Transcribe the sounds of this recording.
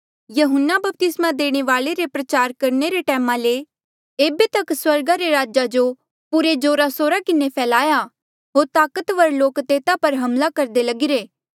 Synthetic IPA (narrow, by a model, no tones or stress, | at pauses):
jɐɦʊnːabɐp̚t̪ɪsmãd̪eːɽ̃eʋaːɭeɾepɾɐt͡ʃaːɾkɐɾneɾeʈɛːmãle | eːbet̪ɐkswɐɾɡaɾeɾaːd͡ʒad͡ʒo | pʊɾed͡ʒoːɾasoːɾakɪnepʰɛːlaːja | ɦoːɾt̪aːkət̪ʋɐɾloːkt̪eːt̪apɐɾɦɐmlakɐɾd̪elɐɡɪɾeː